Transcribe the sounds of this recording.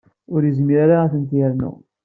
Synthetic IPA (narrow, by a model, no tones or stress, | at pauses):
ʊɾjəzmiɾaɾaæθənt̪jæɾnṵ